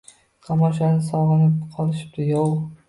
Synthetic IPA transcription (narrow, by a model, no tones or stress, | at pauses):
t̪ʰamɒʃanɪsɒʁɨnɪp̚qʰɒlˠɪʃɪ̥p̚t̪ɪjow